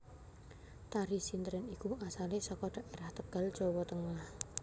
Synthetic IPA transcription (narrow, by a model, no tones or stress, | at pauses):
t̪aɾisint̪əɾɪnikuʔasalɪsɔkɔɖ̥a̤ʔeɾaht̪əɡ̥a̤l̥d͡ʒ̥ɔwɔt̪əŋah